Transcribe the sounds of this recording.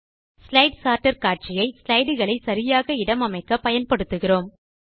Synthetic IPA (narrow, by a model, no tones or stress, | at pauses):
slɐɪɖsaːɾʈɐɾkaːʈ̚t͡ʃɪjɐɪslɐɪɽɯɣɐɭɐɪsɐɾɪjaːɣɐɪɽɐmɐmɐɪkːɐpɐjɐnpɐɽɯt̪ːɯɣɪroːm